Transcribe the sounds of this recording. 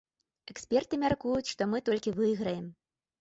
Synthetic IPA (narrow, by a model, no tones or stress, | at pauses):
ɛksʲpʲɛrt̪ɨmʲarkujut͡sʲʂt̪ɔmɨt̪ɔlʲkʲivɨjɣɾɐjɛm